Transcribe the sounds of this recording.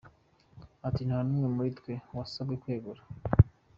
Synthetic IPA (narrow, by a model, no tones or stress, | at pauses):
atin̥hanuːŋemuɾitwe̞wasabɡekwe̞ːɡuɾa